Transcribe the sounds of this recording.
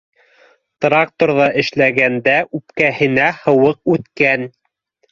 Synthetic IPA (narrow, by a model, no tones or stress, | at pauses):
t̪rɑk̚t̪oɾðɑʔɘ̆ʃlæɡænd̪æʔʉpkæhɘ̆næhɤ̆wɤq̚ʉt̪kæn